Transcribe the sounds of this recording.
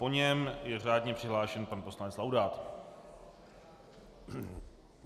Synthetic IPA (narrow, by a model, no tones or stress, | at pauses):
po̞ɲɛmjɛr̝aːdɲɛpr̝̥ɪɦlaːʃɛnpanposlanɛt͡slawdaːt̪